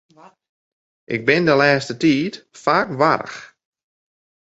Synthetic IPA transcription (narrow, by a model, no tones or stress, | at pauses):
ʔɪɡ̚bɪndəlɛːstətiːtfaːkʋaɾə̰x